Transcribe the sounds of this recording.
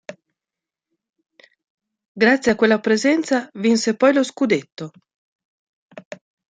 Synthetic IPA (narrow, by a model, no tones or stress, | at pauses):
ɡɾat̪sːjeakːwelːapɾezɛnt̪savinsepɔjloskud̪et̪ːo